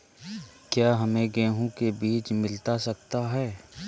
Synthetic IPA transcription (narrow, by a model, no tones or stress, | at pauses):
kjaːɦɐmẽɡɛ̃ːɦõkebiːt͡ʃmɪlt̪asɐkt̪aɦɛː